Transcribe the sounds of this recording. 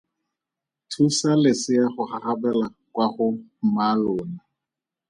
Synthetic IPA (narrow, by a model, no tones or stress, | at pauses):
tʰusalɪsɪaχʊχaχabɛla | kwaχʊm̩malʊːna